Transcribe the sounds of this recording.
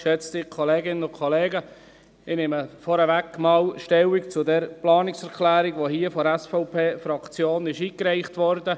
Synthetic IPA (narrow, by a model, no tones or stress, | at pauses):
ʃɛt͡stɪkʰɔleːɡɪnənʊnkʰɔleːɡə | ɪnɪməfɔɾəʋækːmɑːlʃtɛwikt͡sʊdɛɾplɑːnɪksɛɾkʰlæːɾiɡʋoɦiːəfɔɾɛsfɔʊpʰeːfɾɑkt͡sjoːnɪʃiːkɾɛɪχtʋɔɾdə